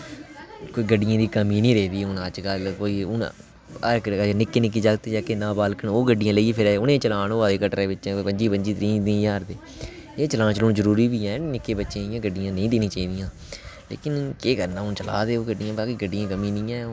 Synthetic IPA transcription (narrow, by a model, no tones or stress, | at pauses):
koːiːɡəɖːɪjãːd̪iːkəmĩːnĩːɾeːd̪iːʊnət͡ʃkəlkoːiːʊn | əɾkːnɪkːeːnɪk̬ːiːd͡ʒaːɡt̪ːeːd͡ʒaːkeːnãːbaːlkəɳoːɡəɖːɪjãːləiːpʰɪɾɛːʊnẽːt͡ʃəlaːnoːaːeːkəʈɾẽːʋɪt͡ʃːpəɲd͡ʒiːpəɲd͡ʒiːt̪əɾĩːd̪ĩːjaːɾd̪eː | eːt͡ʃəlãːt͡ʃəloːɳzəɾuːɾiːbiːɛːnɪkːeːbətːʃãːɪjãːɡəɖːɪjãːnəĩːd̪eːnĩːt͡ʃaːiːd̪ɪjãː | lḛːkɪnkeːkəɾnãːʊnt͡ʃəla̰ːd̪eːoːɡəɖːɪjãːbaːkiːɡəɖːɪjãːkəmĩːnĩːɛː